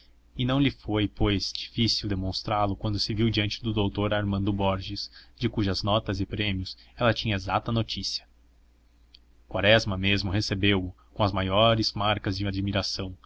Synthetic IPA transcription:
ɪnɐ̃w̃ʎɪfojpojz̥d͡ʒifisiwd̪emõst̪ɾalʊkwɐ̃nd̪ʊsɪviwd͡ʒiɐ̃nt͡ʃɪd̪ʊd̪owt̪oɾaɾmɐ̃nd̪ʊbɔɾʒɪsd͡ʒɪkuʒɐznɔt̪ɐzɪpɾẽmiʊsɛlɐt͡ʃĩɲɐezat̪ɐnot͡ʃisiɐ̥ | kwaɾɛzmɐmezmʊhesebewʊkõɐzmajɔɾɪz̥maɾkɐzd͡ʒɪad͡ʒmiɾasɐ̃w̃

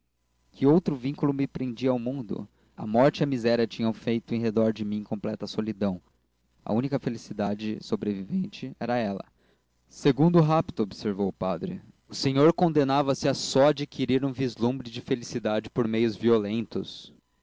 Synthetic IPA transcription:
kʰɪowt̪ɾʊvĩŋkulʊmɪpɾẽnd͡ʒiɐawmũnd̪ʊ̰ | ɐ̰mɔɾt͡ʃɪiɐmizɛɾiɐt͡ʃĩɲɐ̃w̃fejt̪ʊẽj̃ɦed̪ɔɾd͡ʒɪmĩẽkõmplɛt̪ɐsolid̪ɐ̃w̃ | ɐ̰ũnikɐfelisid̪ad͡ʒɪsobɾevivẽnt͡ʃɪɛɾɐɛlɐ̰ | seɡũnd̪ʊʊɦapt̪ʊobseɾvowʊpad̪ɾɪ̰ | ʊsẽɲoɾkõnd̪enavɐsɪɐsɔad͡ʒikʰiɾiɾũvizlũmbɾɪd͡ʒɪfelisid̪ad͡ʒɪpoɾmejʊzviolẽnt̪ʊ̰s

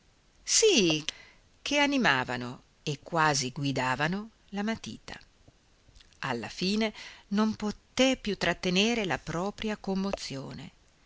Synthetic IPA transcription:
si | kʰeanimaːva̰no | ekːwaːziɡwid̪aːvano | lamat̪ḭːt̪ʰa̰ | a̰lːa̰fiːnenompot̪epjut̪ːɾat̪ːeneːɾelapɾɔːpɾjakomːot̪sːjoːnḛ

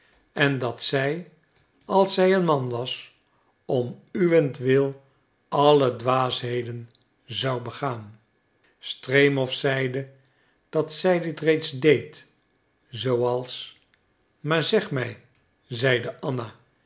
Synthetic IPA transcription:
ɛndɑtsɛj | ɑlˠsɛjənmɑnʋɑs | ɔmyʋɛntʋɪlˠ | ɑlədʋaːsɦejdən | zɑwbəχaːn | strejmɔfsɛjdə | d̥ɑtsɛjdɪtrejtzdejt | zowɑlˠs | maːɹzɛχmɛj | zɛjdəʔɑna

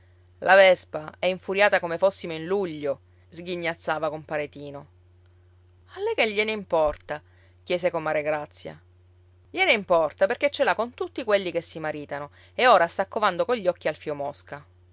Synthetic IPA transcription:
lʔavɛspaɛiɱfuɾjaːt̪akomefosːimoinluʎːo | zɡiɲːat̪sːaːvakompaɾet̪iːno | alːɛkeʎːeneimpɔrt̪a | k̟jɛːsekomːaɾeɡɾat̪sːja̰ | ʎeneimpɔrt̪aperket͡ʃːelakont̪ut̪ːikwelːikesːimaɾiːt̪ano | eoːɾast̪akːovand̪okoʎːɔkːialfiomɔska

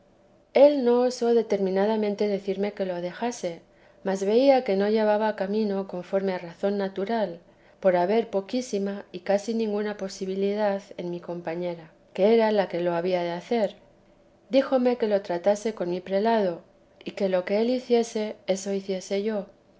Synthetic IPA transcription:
e̞lno̞oso̞ðe̞t̪e̞ɾmĩnað̞amẽ̞nt̪e̞ðe̞θiɾme̞ke̞lo̞ð̞e̞xase̞ | mazβe̞iake̞no̞ʝe̞β̞aβakamĩno̞ko̞ɱfo̞ɾme̞araθo̞nːat̪uɾal | po̞ɾaβe̞ɾpo̞kisimaikasinĩŋɡunapo̞siβiliðaðe̞nmiko̞mpaɲe̞ɾa | ke̞eɾalake̞lo̞aβ̞iaðeaθe̞ɾ | d̪ixo̞me̞ke̞lo̞t̪ɾat̪ase̞ko̞nmipɾe̞laðo̞ | ike̞lo̞ke̞e̞liθje̞se̞e̞so̞iθje̞se̞ʝo̞

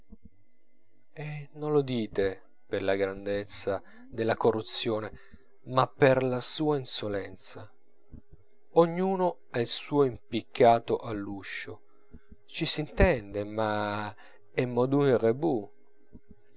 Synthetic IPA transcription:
ɛnolːod̪iːt̪e | perlaɡɾand̪et̪sːa | d̪elːakorːut̪sːjoːne | mapːerlasuːainsolɛnt̪sa | oɲːuːno | ailsuːoimpikʰːaːt̪oʔalːuʃːo | t͡ʃisint̪ɛnd̪ema | ɛmːɔd̪unrebu

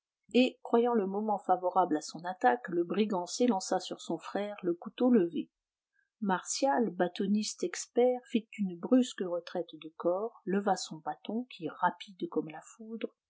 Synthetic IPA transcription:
ekχwajɑ̃ləmɔmɑ̃favɔʁablasɔ̃nat̪akləbʁiɡɑ̃selɑ̃sasyʁsɔ̃fχɛʁləkut̪oləve | maʁsjalbat̪ɔnist̪ɛkspɛʁfit̪ynbʁyskəʁət̪χɛt̪d̪əkɔːʁləvasɔ̃bat̪ɔ̃kʲʰiʁapid̪kɔmlafud̪ʁ

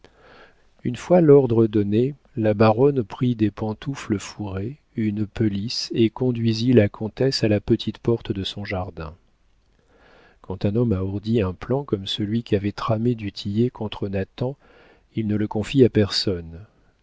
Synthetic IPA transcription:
ynfwalɔʁd̪ʁəd̪ɔne | labaʁɔnpχid̪epɑ̃t̪ufləfuʁe | ynpølisekɔ̃d̪ɥizilakʰɔ̃t̪ɛsalapət̪ʰit̪pɔʁt̪d̪əsɔ̃ʒaʁd̪ɛ̃ | kɑ̃t̪ɛ̃nɔmauʁd̪iɛ̃plɑ̃kɔmsəlɥikʲiavɛt̪χamed̪yt̪ʰijekʰɔ̃t̪χənat̪ɑ̃ | ilnələkɔ̃fiapɛʁsɔn

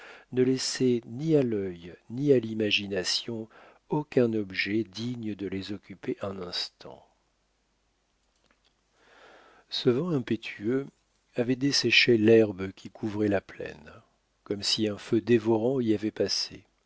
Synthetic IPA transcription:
nəlɛsɛnialœjnialimaʒinasjɔ̃ | okʲɛ̃nɔbʒɛd̪iɲəd̪əlezɔkʲypeʔɛ̃nɛ̃st̪ʰɑ̰̃ | səvɑ̃ɛ̃pet̪ʰyø | avɛd̪esɛʃelɛʁbkʲʰikʰuvʁɛlaplɛ̰n | kɔmsiɛ̃fød̪evɔʁɑ̃iavɛpasḛ

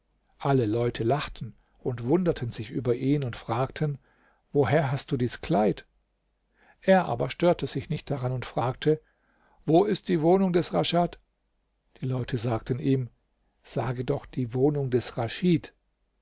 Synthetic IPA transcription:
ʔaləlɔʏtʰəlaχtʰn̩ | ʔʊntv̥ʊndɐtʰənzɪçʔyːbɐʔiːnʊntfʁ̥aːk̚tʰən | voːɦeːɐɦast̚d̥uːdiːskl̥aɪt | ʔeːɐʔa̰ːbɐʃtøːɐtʰəzɪçnɪçt̚d̥aʁanʊntfʁ̥aːk̚tʰə | voːɪst̚d̥iːvoːnʊŋdɛsʁaʃat | d̥iːlɔʏtʰəzaːk̚təniːm | z̥aːɡədɔχd̥iːvoːnʊŋdɛsʁaʃiːt

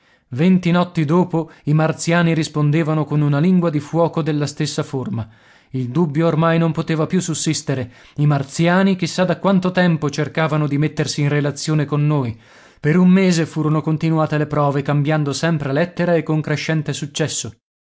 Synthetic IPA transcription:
vent̪inɔt̪ːid̪oːpoimart̪sjaːniɾispond̪eːvanokonunaliŋɡwad̪ifwɔːkod̪elːast̪esːaforma | ild̪ubːjoːrmajnompot̪eːvapjusːusːist̪eɾe | imart̪sjaːnik̟isːad̪akwant̪ot̪ɛmpot͡ʃerkaːvanod̪imet̪ːersiːnrelat̪sːjoːnekonːoːj | peɾummːeːzefuːɾonokont̪inuaːt̪elepɾɔːvekambjand̪osɛmpɾelɛt̪ːeɾaekːoŋkɾeʃːɛnt̪esut͡ʃːɛsːo

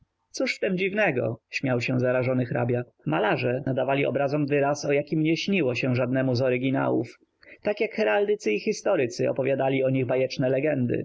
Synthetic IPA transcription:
t̪suʂft̪ɛmd͡ʑivnɛɡɔ̰ɕmʲjawɕɛzaɾaʐɔnɘxɾa̰bʲja | malaʐɛnad̪avalʲiɔ̰bɾazɔmvɘɾasɔjakʲimɲɛɕɲiwɔɕɛ̃ʐad̪̚nɛmuzɔɾɘɡʲina̰wṵf | t̪akʲjakxɛɾald̪ɘt̪sɘixʲist̪ɔɾɘt̪sɘɔ̰pɔvʲjad̪alʲiɔɲiɣbajɛt͡ʂnɛlɛɡɛnd̪ɘ̰

